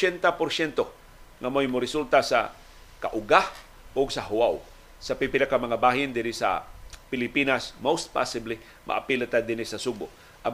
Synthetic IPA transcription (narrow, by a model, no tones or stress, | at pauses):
t͡ʃɛnt̪apoɾsɛnt̪o | ŋamojmʊɾɪsult̪asa̰ | ka̰ʔʊɡah | ʊɡsɐɦʊwaw | sɐpipɪlakamɐŋabaːɦɪnd̪ɪɾɪsa̰pɪlɪpinasmowst̪̚pa̰sɪbli | mʔa̰ʔa̰pilat̪ad̪ɪnɪsɐsuboʔ | ʔa